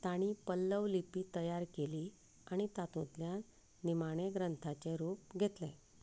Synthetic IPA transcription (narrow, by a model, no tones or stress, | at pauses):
t̪aɽ̃ipəlːəʋlipiːt̪əjaɾkeliː | aɽ̃it̪at̪ũt̪lja | nimaɽ̃eɡɾənt̪ʰat͡seɾop̚ɡʱet̪lẽ